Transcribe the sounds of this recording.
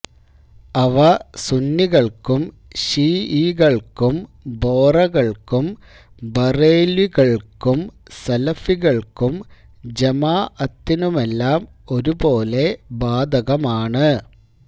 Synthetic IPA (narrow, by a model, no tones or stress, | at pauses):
ɐʋɐsunːiɣɐɭkum | ɕiːiːɣɐɭkum | boːrɐɣɐɭkum | bɐreːliɣɐɭkumsɐlɐfiɣɐɭkum | d͡ʑemaːɐt̪ːinumelːaːm | o̞ɾupo̞ːle̞baːd̪ʱɐɣɐmaːɳɨ